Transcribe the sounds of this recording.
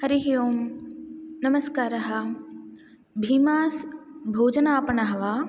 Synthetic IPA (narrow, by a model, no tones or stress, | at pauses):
hɐɾiɦijoːm | nɐməskaːɾɐɦa | bʱiːmaːsbʱoːd͡ʒənaːpɐnaɦɐʋaː